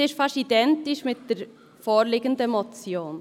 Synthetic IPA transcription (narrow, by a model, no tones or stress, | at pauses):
ɪʃfaʃtidɛntɪʃmɪt̚d̥eɾ | foːɾlɪːɡəndəmot͡sjoːn